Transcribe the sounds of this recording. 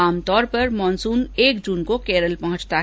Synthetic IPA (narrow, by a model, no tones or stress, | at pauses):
aːmt̪ɔːɾpɐɾmɔːnsuːneːkd͡ʒuːnkokɛːɾəlpɐɦʊ̃t͡ʃt̪a